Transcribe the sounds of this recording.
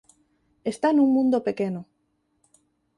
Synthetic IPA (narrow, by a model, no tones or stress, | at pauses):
est̪anũŋmũnd̪opekeno